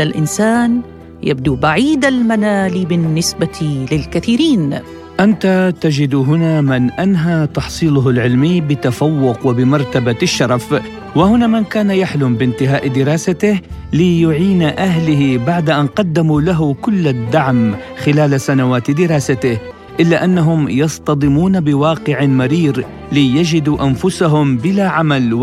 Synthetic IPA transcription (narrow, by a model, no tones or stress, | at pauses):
alʔɪ̰nsaːn | ja̰bd̪ubaʕiːd̪almanaːlibɪnːɪsbat̪ilɪlkaθiːɾiːn | ʔant̪at̪ad͡ʒɪd̪ɦʊnamɪnʔanɦat̪ɑħsˤiːlʊhlʕɪlmɪjːbɪt̪ːafawːʊqwɪbɪmɑɾˤt̪abaʃːɑɾˤɑf | wɪhʊnaːmɪnkaːnajaħlʊmbɪnt̪ɪɦaːʔd̪ɪɾˤɑːsat̪ɪh | lɪjʊʕiːnaʔaɦlɪhɪbaʕd̪aʔanqɑd̪ːamulaɦʊkʊlːad̪ːaʕmxɪlaːlasanawaːt̪d̪ɪɾɑːsat̪ɪh | ʔɪlːaʔanːaɦʊmjɑst̪ɑd̪ˤɪmuːnabɪwɑːqɪʕmaɾiːɾ | lɪjad͡ʒɪd̪uʔanfʊsaɦʊmbɪlaʕamal